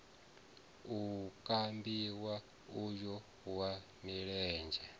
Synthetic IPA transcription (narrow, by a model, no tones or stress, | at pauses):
ukʼambiwa | ujɔ | wa | miɺɛːnd͡ʒɛ